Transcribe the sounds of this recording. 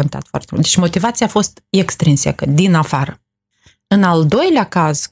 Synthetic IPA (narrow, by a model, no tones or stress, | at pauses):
ont̪a̰t̪fowa̰rt̪emṵlt̪d̪et͡ʃmo̞t̪ivat̪sijafo̞st̪ekst̪ɾinsa̰kəd̪inafaɾə | ɨnald̪o̞jlʲeakaz̥